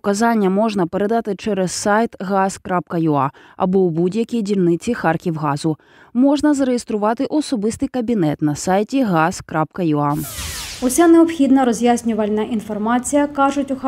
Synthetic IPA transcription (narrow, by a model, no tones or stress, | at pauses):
ɔkɐzɑnʲːɐmɔʒnɐpeɾed̪ɑt̪ɪt͡ʃɛɾɛsːɑjt̪ɣɑz̥kɾap̚kɐjʊɑ̰ | ɐ̰bɔwbudʲjɐkʲijdʲilʲnɪt͡sʲixɑrkʲiwɦɑzʊ | mɔʒnɐzɐɾejest̪ɾʊʋɑt̪ɪʔɔsɔbɪst̪ɪjkɐbʲinɛt̪nɐsɑjtʲiɣɑz̥kɾap̚kɐjuɑ | ʊsʲaneɔpxʲid̪nɐɾɔzʲjasʲnʲʊʋɐlʲnɐʔinfɔrmɑt͡sʲijɐkɑʐʊtʲʊx